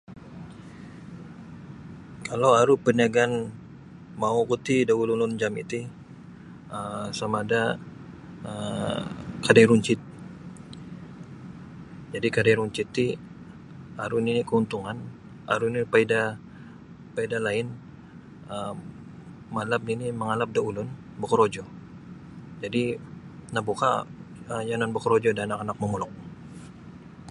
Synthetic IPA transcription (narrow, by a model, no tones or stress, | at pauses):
kʰalawaɾupənaɡan | maukut̪idaululʊnd͡ʒamḭt̪i | əmsamaːda | ə | kadajɾuɲt͡ʃɪt̪̚ | d͡ʒadikadajɾuɲt͡ʃɪt̪ːi | aɾuninikəunt̪uŋan | a̰ɾunipaida | paidalaɪn | ə | məalap̚niniməŋalap̚daulʊn | bəkuɾod͡ʒɔ | d͡ʒadinahbuka̰əjanɔnbəkuɾod͡ʒɔdanakanak̚məmulɔk̚